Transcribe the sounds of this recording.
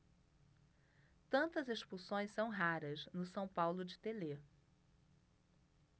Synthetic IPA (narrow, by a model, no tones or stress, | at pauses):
t̪ɐ̃nt̪ɐzeʃpusõj̃ssɐ̃w̃ɦaɾɐznʊsɐ̃w̃pawlʊd͡ʒɪt̪ele